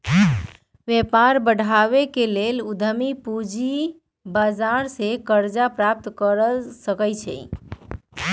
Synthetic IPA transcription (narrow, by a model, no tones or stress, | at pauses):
ʋjepaɾbəɽʱaβekelelud̪ʱəmipud͡ʒi | bad͡ʒaɾsekəɾd͡ʒapɾap̚t̪kəɾəsəkəjt͡ʃʰɛ̰j